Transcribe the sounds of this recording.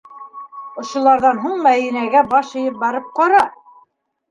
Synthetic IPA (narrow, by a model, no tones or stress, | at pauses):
ŏʃŏlˠɑɾðɑnɦuɴmæðinæɡæbɑʃɤ̆jɤp̚bɑɾɤp̚qɑɾɑ